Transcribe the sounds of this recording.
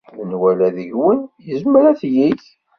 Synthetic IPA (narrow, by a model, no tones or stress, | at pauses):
lənwælæðəʝwənjəzmɾæθjiç